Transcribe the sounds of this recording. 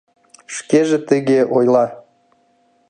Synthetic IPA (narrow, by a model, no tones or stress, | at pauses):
ʃkeʒĕt̪əɣeʔojlˠɑ